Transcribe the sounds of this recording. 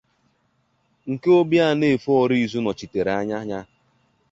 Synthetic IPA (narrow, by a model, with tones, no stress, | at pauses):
ŋ̩˨ke˦o˦bja˦˨ne˦˨e˨fɔ˨ɾi˦˨zu˦nɔ˨t͡ʃi˨te˨ɾa˦ɲa˦ɲa˦